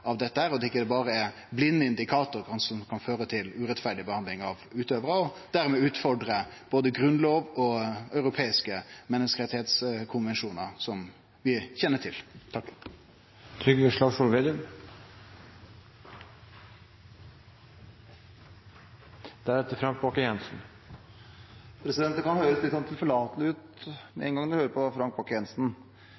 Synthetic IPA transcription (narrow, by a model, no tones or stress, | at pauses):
ɑʋd̪ɛt̪ːəhæːɾɔd̪ɛɪkːəd̪ɛbɑːʁəɛ | blɪnːəɪnd̪ɪkʰɑːt̪ʊɾkʰɑnsɔmkʰɑnføːɾət̪ʰɪlʉɾɛt̪fæɖɪbəhɑnd̪lɪŋɑʋʉːt̪øːʋəɾəɔd̪̥æʁmɛːʉːt̪fɔɖɾə | b̥oːd̪əɡɾʉnloːʋɔœʏɾʊpʰeːɪskəmɛnːəskəʁɛt̪ːɪheːt̪skʰʊnʋɛnʂuːnəɾsɔm | ʋɪçɛnːəʈʰɪl | t̪ʰɾʏɡʋəʂlɑʂuːlʋeːd̪ɪʉm | d̪̥æɾɛt̪ːəfɾɑŋk̚bokəjɛnsn̩ | pʰɾɛsɪd̪ɛnt̪əkʰɑnhøːɾəslɪt̪sɔnt̪ʰɪlfɔɭɑːt̪lɪʉːt̪mɛɛnɡɑŋd̪ɛhøːɾəpʰɔfɾɑŋk̚boːkːəjɛnsn̩